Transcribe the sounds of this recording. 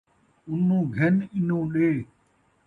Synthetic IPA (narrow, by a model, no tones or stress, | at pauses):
ʊnõːɡʱenɪnõːɗeː